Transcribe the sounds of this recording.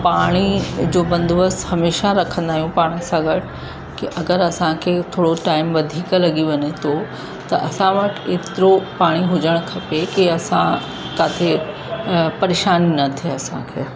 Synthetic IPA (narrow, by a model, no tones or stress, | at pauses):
paːɽ̃id͡ʑoːbɐ̃nd̪ʋəshɐmeːʃaɾɐkʰə̃nd̪aːɦijũpaːɽ̃isãɡʱəʈ | kiʔɐɡəɾɐsãkʰeːt̪ʰoːɽoʈaːɪmʋɐd̪ʱiːklɐɡiʋɐɲet̪ʰo | t̪ɐʔɐsãʋɐʈʰeːt̪ɪɾopaːɽ̃iɦʊd͡ʑəɽ̃kʰɐpekiɐsã | kaːt̪ʰe | pɐɾeːʃaːninɐt̪ʰeɐsã̰kʰeː